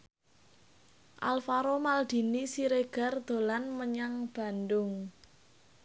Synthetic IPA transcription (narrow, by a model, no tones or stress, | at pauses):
ʔalfaɾomald̪̥i̤nisiɾeɡ̥a̤rd̪̥o̤lanməɲaŋb̥a̤nd̪ʊŋ